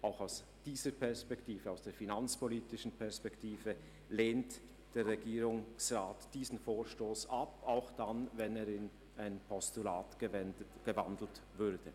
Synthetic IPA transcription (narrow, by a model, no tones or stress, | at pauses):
ʔaʊxaʊs | d̥iːzəpʰɛɐspɛktiːvəaʊsd̥eːɐfinant͡spɔliːtɪʃn̩pʰɛɐspɛktiːvə | leːnt | d̥eːɾːɛɡiːɾʊŋsʁaːtd̥iːzn̩foːʃtoːsʔapaʊxd̥anvɛneːɾɪn | aɪnpʰɔstula̰ːtəɛɡ̥əva̰ndl̩tvʏɾd̥ə